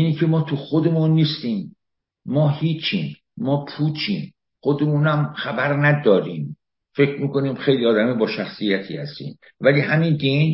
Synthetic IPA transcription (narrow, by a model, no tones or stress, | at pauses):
iːnicʰemɒːt̪ʰuxod̪e̞munːiːst̪iːmː | ɒːhiːt͡ʃʰiːn | mɒːpʰuːt͡ʃʰḭːn | xod̪e̞muːnæmxæbæɾnæd̪ɒːɾiːm | fe̞cʰɾmiːkoniːmxe̞jliːɒːd̪æmebɒːʃæxsijæt̪ʰḭːhæst̪ḭːn | væliːhæmind̪en